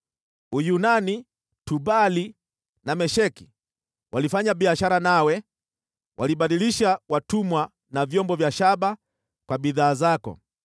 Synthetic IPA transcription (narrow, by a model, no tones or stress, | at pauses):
ujunani | tubali | namɛʃɛki̥ | wʔalifaɲaɓiaʃaɾanawɛ | wʔaliɓaɗiliʃawatumwa | navjɔmbɔvjaʃaɓa | kwaɓiðaːzakɔ̰